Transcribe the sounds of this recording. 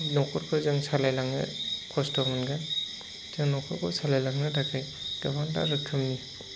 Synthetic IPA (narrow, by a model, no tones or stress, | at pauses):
nɔkʰɔɾkʰɔzɯŋsalajlaŋnɯ̰kʰɔstɔmɯnɡa | z̥ɯŋnɔkʰɔɾkʰɔsalajlaŋnɯdʰakʰajɡ̥abanta̰ɾɯkʰːɯmni